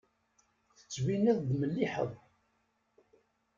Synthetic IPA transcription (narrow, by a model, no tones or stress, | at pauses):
θə̥t͡sːviniðˤd̪məlːiħə̰ðˤ